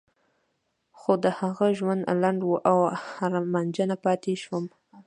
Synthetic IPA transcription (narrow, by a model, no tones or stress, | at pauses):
xod̪əhaɣaʒwand̪laɳɖwuʔawhaɾamand͡ʒənapɑt̪eʃwəm